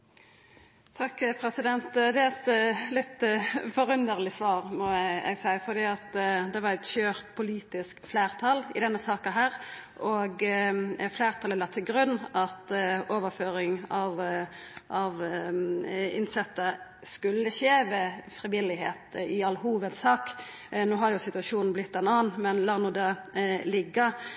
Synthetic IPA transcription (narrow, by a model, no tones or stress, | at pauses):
t̪ʰɑkːpʰɾɛsɪd̪ɛnt̪d̪ɛɛt̪lɪt̪fɔɾʉnd̪əʁlɪsʋɑːɾmɔɛ̰ɡsæɪəfɔd̪iːɑt̪d̪ɛʋɑʁæɪt̪çøːɾt̪̚pʰʊliːt̪ɪskflæːʁt̪ʰɑlɪ̰d̪ɛnːəsɑːkəɦæːɾʔɔɡ | flæːʁt̪ʰɑləɑːt̪ʰɪlɡʁʉnːɑt̪oːʋəføːɾɪŋɑʋ | ʔɑʋ | ɪ̰nsɛt̪ːə | skʉlːəçeːʋɛfʁɪʋɪlɪɦḛːt̪ɪɑlːhuːʋəd̪sɑːk | nuːɦɑɾjʊsɪt̪ʉɑʃuːnn̩blɪt̪ːɛnɑːn̩mɛnlɑːʁnuːd̪ɛlɪɡːə